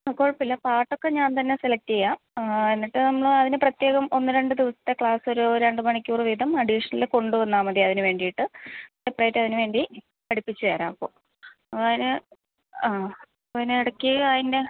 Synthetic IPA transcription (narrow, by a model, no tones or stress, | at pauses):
ɐkːo̞ːɻpːilːɐpaːrʈːo̞kːe̞ɲaːnt̪ɐnːe̞selɐk̚tejːaːmenːiʈːɨnɐmːɐɭɨɐðinɨprɐt̪je̞ːɣɐmo̞nːɨɾe̞ɳɖɨd̪iʋɐsɐ̥t̪ːe̞kɭaːso̞ɾuɾeɳɖɨmɐɳikʲːuːrɨʋid̪ʱɐmɐɖiʂɐnɐlileko̞ɳɖuʋɐnːaːmɐðiɐðinɨʋe̞ːɳɖijiʈːɨɖeprɐjtːɐðinɨʋe̞ːɳɖi | pɐɽipːit͡ɕːuʋeːɾa̰ːmpːoː | ðinɨ | aː | ɐðinɨiɽɐkʲːiɐðinde̞